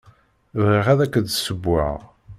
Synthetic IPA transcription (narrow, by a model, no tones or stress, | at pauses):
ðʁiʁæðækːəd̪səbːa̰ʁ